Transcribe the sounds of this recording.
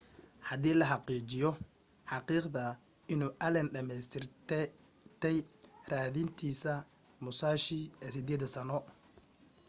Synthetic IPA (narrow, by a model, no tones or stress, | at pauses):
ħɑðiːlɐħɑqiːt͡ʃɪjɔ | ħɑqiːqðɐ | ʔɪnuːʔɐlɛnɖɐmɛjst̪ʰɪrt̪ | t̪ʰɛjraːðint̪ʰiːsɐ | mʊsaːʃiɛːsɪd̪ɛːd̪ɐsɐnɔ